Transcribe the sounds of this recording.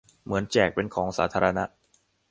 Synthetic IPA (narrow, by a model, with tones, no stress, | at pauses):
mɯ˩˦ənt͡ɕɛː˨˩k̚pe˧nkʰɔː˩˦ŋsaː˩˦t̪ʰaː˧ɾa˧na˦˥ʔ